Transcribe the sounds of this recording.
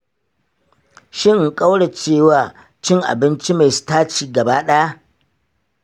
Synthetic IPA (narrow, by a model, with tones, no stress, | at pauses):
ʃɪ˦ŋŋ̩˨kʼa˦wɽa˨t͡ʃeː˦˨waː˨ | t͡ʃɪ˦ŋʔa̰˨bɪ˦nt͡ʃi˦ma˨jsu̥˦taː˦t͡ʃiː˨ɡɐ˨baː˦ɗa˦a˦ʔ